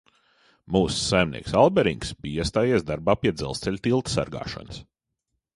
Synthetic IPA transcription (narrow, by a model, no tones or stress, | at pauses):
muːsːajmnʲḭɛksalˠbɛɾḭŋksbijiɛst̪aːjiɛsd̪aɾbaːpiɛd̪zɛ̰lˠst̪sɛlʲt̪ilˠt̪sa̰ɾɡa̰ːʃɔ̰nəs